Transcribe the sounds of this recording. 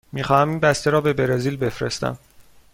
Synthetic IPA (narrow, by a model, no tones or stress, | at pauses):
miːxɒːhæmiːnbæst̪e̞ɾɒːbe̞beɾeziːlbe̞fɾḛst̪æ̰m